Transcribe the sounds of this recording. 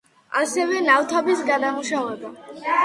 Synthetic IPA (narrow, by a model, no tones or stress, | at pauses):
asɛvɛnaft̪ʰɔbisɡad̪amuʃavɛba